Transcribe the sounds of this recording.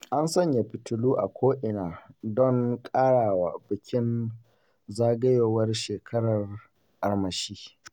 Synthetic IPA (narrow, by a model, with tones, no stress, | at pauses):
ʔa˦nsɐ˦ɲja˨ɸɪ˨tʊ˨luː˦ʔa˨kʷʰoː˦ʔɪ˨naː˨dɔ˦ŋkʼaː˦ɽaː˨wa˨bɪ˨kʲɪ˦n | zaː˦ɡɐ˦joː˨wɐ˦rʃeː˨kʰɐ˦ɽɐ˨r | ʔa˨rmɐ˨ʃiː˦